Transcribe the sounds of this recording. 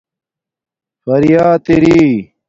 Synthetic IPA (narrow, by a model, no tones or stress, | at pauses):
fɐɾijaːt̪eɾiː